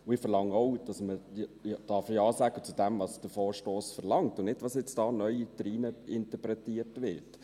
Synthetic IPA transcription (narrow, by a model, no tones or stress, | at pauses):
ʊɪfəɾlɑŋɔʊd̥ɑsməjd̥ɑfəɑːsæɡ̥ət͡sudæmvɑsd̥əfoːɾʃtoːsfəɾlɑŋtʊnɪdʋɑsjɛt͡sd̥ɑːnœʏitɾiːnəɪntəpɾɛtiəɾtʋɪɾt